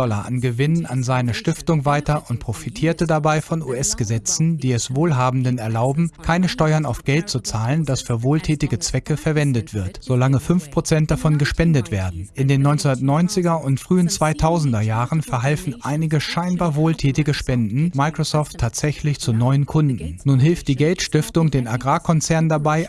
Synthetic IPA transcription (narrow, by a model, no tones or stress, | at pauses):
ɔlɐ̰ʔa̰nɡəvɪnənanzaɪnəʃtɪftʊŋvaɪtɐʔʊnt̚pʁ̥ofitʰiːɐtədabaɪfɔnṵːɛsɡ̥əzɛt͡sn̩diːɛsv̥oːlɦaːbm̩dənɛɐlaʊbm̩kʰaɪnəʃtɔʏɐnaʊfɡ̥ɛlt̚t͡sut͡saːlənd̥asfyːɐvoːltʰɛːtɪɡət͡sv̥ɛkəfɛɐvɛndətv̥ɪɐtz̥olaŋəfʏnfpʁ̥ot͡sɛnt̚d̥afɔnɡəʃpɛndətv̥eːɐdn̩ʔɪndeːnːɔʏnt͡snɐtnɔʏnt͡sɪɡɐʊntfʁ̥yːənt͡sv̥aɪtʰaʊzn̩dɐjaːʁənfɛɐɦalfn̩ʔaɪnɪɡəʃaɪnbaːɐvoːltʰɛːtɪɡəʃpɛndn̩maɪkʁ̥osɔftʰːaːtz̥ɛçlɪçt͡sunɔʏənkʰʊndn̩nuːnɦɪlftd̥iːɡɛltʃtɪftʊŋdeːnaɡʁaːkʰɔnt͡sɛɐndabaɪ